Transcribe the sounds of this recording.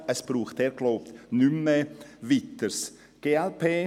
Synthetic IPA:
ɛsb̥ruːxteːɾɡlaʊp̚t̪nyməvɪt̪əɾs | ɡ̥eːɛlpʰeː

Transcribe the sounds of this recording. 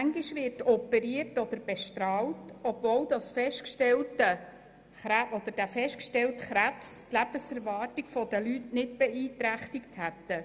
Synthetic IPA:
mæŋɡiʃʋɪrtɔpːɛɾiərtɔd̪əɾb̥ɛʃtɾɑːltɔb̥vɔwd̥ɑsfɛʃtkʃtɛltə | χɾæʔɔd̪əɾd̥æfɛʃtkʃtɛltχɾæpstlæb̥əsɛɾvɑːrtiɡ̥fɔd̥̪əlytnɪt̚b̥ɛiːt̪ɾæχtɪkthæt̪ːə

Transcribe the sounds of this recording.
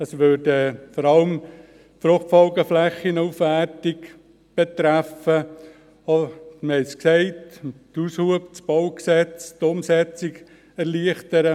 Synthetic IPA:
əsʋøɾdəfɔɾɑləm | fɾʊχtfɔlɡəflɛχinufʋæɾtɪk | b̥et̪ɾæfə | omɛɪsksɛɪttushuəbt͡sb̥ɔwksɛt͡stʊmsɛt͡sɪɡ | ɛɾliəχtəɾə

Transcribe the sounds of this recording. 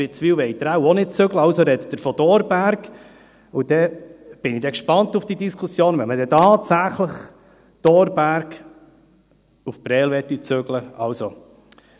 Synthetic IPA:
ɪt͡sfiːwʋɛɪt̪ɾawɔnɪt̚t͡søɡləɑwsoɾɛd̪ət̪əɾfɔd̥̪ɔːɾbæɾɡ | ud̥̪ɛb̥ɪnid̪ɛkʃpɑnt̪ufd̥iːd̪iskʰusjoːnvʋɛməd̪ɛtɑːt̪sæχləχ | d̪̥ɔɾbæɾɡ | ufbɾɛːlʋɛt̪ːit͡søɡləɑwso

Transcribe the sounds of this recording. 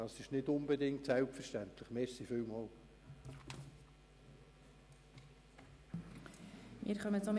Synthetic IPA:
ɑsɪʃnɪdʊnbɛdɪŋtsɛlpfəɾʃtænt̪ləχmeːɾsifʏwmɔːl | mɪ̰ːɾχœmət͡som

